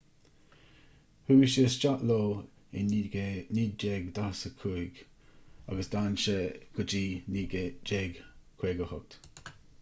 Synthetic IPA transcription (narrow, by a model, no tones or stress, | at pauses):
huːʃiəst͡ʃaʔloː | ɪnnid͡ʒeɡd̪asəkʰuɪɡ | a̰ɡəsd̪anʃɛɡ̥ʊd͡ʒiː | d͡ʒeɡkʰweːɡəhɔk̚t̪